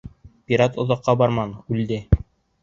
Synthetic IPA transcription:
pʲiɾat̪ŏðɑqːɑbɑɾmɑnʉld̪ɘ

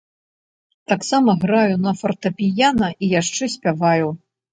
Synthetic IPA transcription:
t̪aksamɐɣɾajunɐfɐrt̪ɐpʲijanɐʔijaʂt͡ʂɛsʲpʲavaju

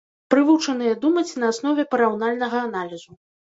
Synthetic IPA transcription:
pɾɨvut͡ʂɐnɨjɐd̪umɐt͡sʲnɐːsn̪ɔvʲɛpɐɾawnalʲnɐɣɐːnalʲizu

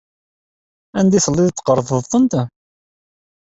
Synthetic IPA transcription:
ænd̪isˤəlːɪðt̪ːqəɾˤðˤəðθˤənt̪

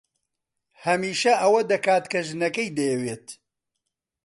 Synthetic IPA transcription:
hɐmiːʃɐʔɐwɐd̪ɐkaːt̪kʰɐʒɨnɐkɐjd̪ɐjɛweːt̪

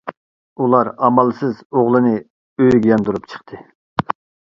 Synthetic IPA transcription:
ulˠɑɾɑmɑlˠsɨzoʁlˠɨnɨ | øjɡʲjɑnd̪uɾupt͡ʃʰə̥χt̪ʰɨ

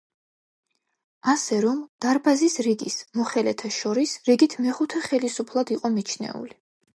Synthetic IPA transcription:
asɛɾɔmd̪̥aɾbazisɾiɡismɔχɛlɛt̪ʰaʃɔɾisɾiɡit̪ʰmɛχut̪ʰɛχɛlisupʰlˠad̪iqʼɔmit͡ʃʰnɛ̰ṵli

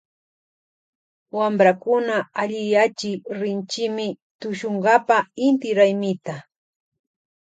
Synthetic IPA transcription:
wambɾakʊnaaʎɪjat͡ʃɪɾɪnt͡ʃɪmɪ | t̪ʊʃoɴɢɑpaɪnt̪ɪɾajmɪt̪a

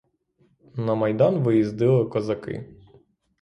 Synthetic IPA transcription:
nɐmɐjd̪ɑnʋɪjizd̪ɪlˠɪkɔzɐkɪ̰

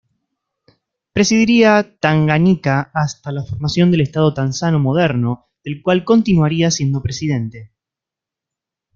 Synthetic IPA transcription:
pɾe̞siðiɾiat̪aŋɡanikaːst̪alafoɾmasjo̞nd̪e̞lest̪að̞o̞t̪ansano̞mo̞ð̞eɾno̞ | ðe̞lkwalko̞nt̪inwaɾiasje̞nd̪o̞pɾesið̞e̞nt̪e̞

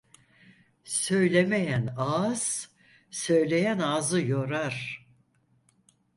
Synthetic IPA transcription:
sø̞jlʲemejænaz̥ | sø̞jlʲe̞jænaːzɯjo̞ɾaɾ̥

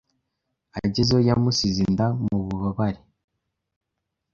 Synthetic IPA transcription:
aɟezojamusizindamuβuβaβaɾi

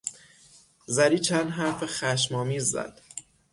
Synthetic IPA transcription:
zæɾiːt͡ʃʰænd̪ɦæɾfexæʃmɒːmiːzːæ̰d̪̥

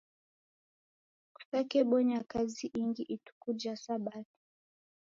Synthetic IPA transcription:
ku̥takɛɓɔɲakaziʔiŋɡiʔitu̥kud͡ʒasaɓati̥

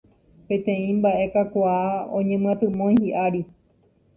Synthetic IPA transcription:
pẽ̞t̪ẽ̞ĩmbaʔe̞kakʷaaõ̰ɲẽmɨ̃ãt̪ɨ̃mõj̃hiʔaɾi

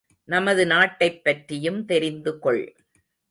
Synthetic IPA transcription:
nɐmɐðɯnaːʈːɐɪpːɐʈrɪjɯmt̪ɛɾɪnd̪ɯkɔɭ

